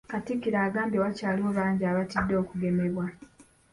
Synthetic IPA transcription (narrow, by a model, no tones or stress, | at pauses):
katikːiɾaːɡaːmbjewacaːliwo̞βaːɲɟiaːβatidːo̞ːkuɡe̞me̞βwa